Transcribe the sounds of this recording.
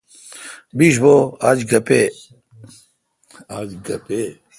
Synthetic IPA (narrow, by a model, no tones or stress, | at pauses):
biːʂboaːd͡ʑɡɐpe | aːd͡ʑɡɐpe